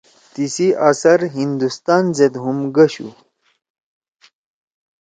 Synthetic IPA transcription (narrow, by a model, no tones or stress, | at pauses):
t̪isiʔɐsɐɾɦind̪ust̪aːnzed̪ɦumɡɐɕṵ